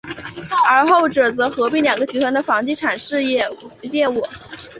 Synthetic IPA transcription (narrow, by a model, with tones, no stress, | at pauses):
ə˞˧˥xo˥˩ʊʈ͡ʂɤ˨˩t͡sɤ˧˥xɤ˧˥pi˥˩ŋljɑ˨˩ŋɡə˦t͡ɕʰi˧˥t̪ʰwa˧˥nd̪ə˧fɑ˧˥ŋt͡ɕi˥˩ʈ͡ʂʰa˨˩nʂɻ̩˥˧jɛ˥˩jɛ˥˩wɔ˨˩˦